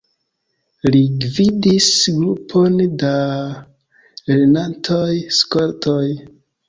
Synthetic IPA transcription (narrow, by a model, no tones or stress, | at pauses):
liɡvidisɡɾupʰo̞nda | ɾenantʰojskoɾtʰoj